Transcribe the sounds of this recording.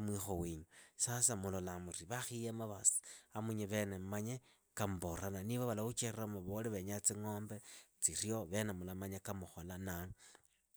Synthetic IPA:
mwixowiːɲusasamulolamuriβaxijemaβasi̥amuɲeβenemmaɲe | kamuboɾananiβaβalaut͡ʃeriramaβoliβeɲat͡siŋoːmbet͡sirjoβe̞nemulamaɲekamuxolanaŋ

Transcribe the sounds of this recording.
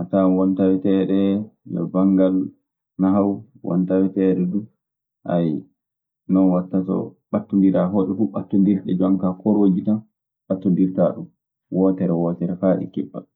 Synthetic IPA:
ʔatawɔntawɛtɛɗɛjɔ̰baŋɡal | naɦawwʔɔ̰ntawɛtɛɗɛdu | ʔaj | nɔnwatːasɔ̰ɓatːundiɾaɦoɗɛfuɓatːɔndiɾɗɛd͡ʒaŋkakɔɾoːd͡ʒiɗa | ɓatːɔndiɾtaɗum | wʔɔtɛɾɛwɔːtɛɾɛfaːɗḭkɛ̰ɓːa̰

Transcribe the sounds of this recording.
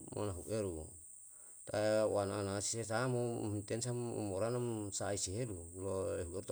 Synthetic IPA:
mʔo̰naɦuʔeɾu | t̪aanaːnasisesamo̰hint̪ensamṵmoɾanamsaiseɦeɾuloeɦueɾut̪

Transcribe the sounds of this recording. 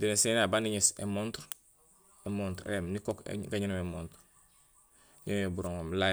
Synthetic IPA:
dinesenabaniɲisḛmontɾ | emontɾ̰emnikokɡaɲinomemont | jimebuɾoŋomla

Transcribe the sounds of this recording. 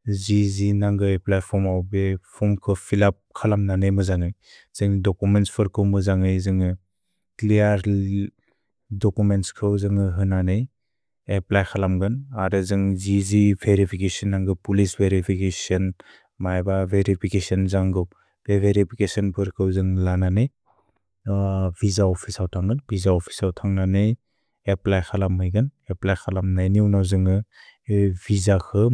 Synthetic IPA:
zizinaŋɡɯeplajpʰɔmawbepʰɔmkʰɯpʰilap̚kʰalamnanɯjmɯzaŋɯj | z̥ɯŋdɔkumentspʰɯɾkʰɯwmɯzaŋɯjzɯŋɯ | klijaɾ | dɔkumentskʰɯwzɯŋɯɦɯnanɯj | eplajkʰalamɡɯnaɾɯzɯŋzizibʱeɾipʰikesɔnːaŋɡɯpulisbʱeɾipʰikesiɔn | majbabʱeɾipʰikesɔnzaŋɡɯw | b̥ebʱeɾipʰikesɔnpʰɯɾkʰɯwzɯŋlananɯj | bʱizaɔpʰisawtʰaŋɡɯnbʱizaɔpʰi̥sawtʰaŋnanej | eplajxʰalamɦɯjɡɯneplajkʰalamnajniwnawzɯŋɯ | bʱizakʰɯ

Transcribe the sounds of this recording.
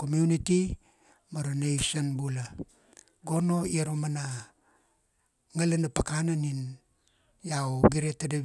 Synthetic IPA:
komjuniti | maɾanejsonbula | ɡo̞no̞iaɾomana | ŋalanapakananin | jawɡiɾetada

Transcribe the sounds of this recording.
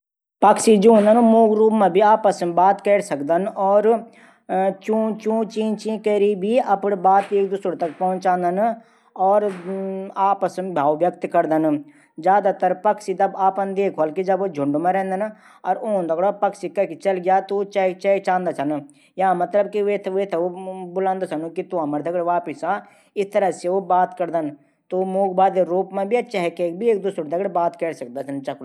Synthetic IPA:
pɐksid͡ʒoːnd̪ɐnmuːɡɾuːpmẽbʱiaːpəsbaːt̪kɛːɽsɐkd̪ənɔːɾ | t͡ʃũːt͡ʃũːt͡ʃĩːt͡ʃĩkɐɾibʱiɐpnbaːt̪eːk̚d̪ʊsəɽt̪ɐkpɔɦʊ̃nt͡ʃãːnd̪ɐn | ɔːɾ | aːpəsbʱaːʋʋjɐk̚t̪kɐɾd̪ən | d͡ʒjaːd̪at̪ɐɾpɐksit̪ɐbaːpənd̪eːkʰʋɐlkid͡ʒɐbod͡ʒʱʊɳɖmẽɾɛ̃ːnd̪ɐn | ɔːɾoːnd̪ʱɐɡɽopɐksikakit͡ʃɐlɡɪjat̪ot͡ʃat͡ʃaːt͡ʃãːnd̪at͡ʃʰɐn | jɐɦãmɐt̪ləbkiʋeːt̪ʰʋeːt̪ʰobʊlãːnd̪at͡ʃʰɐnukit̪uɐməɾd̪ʱɐɡɽeʋaːpɪsa | ɪst̪ɐɾəɦseʋobaːt̪kɐɾd̪ən | t̪omoːɡbaːd̪eɾuːpmẽbʱiɐʃʰaɦkeːk̚bʱieːk̚d̪usəɾd̪ʱɐɡɽebaːt̪kɛːɽsɐk̚d̪at͡ʃʰɐnt͡ʃɐk

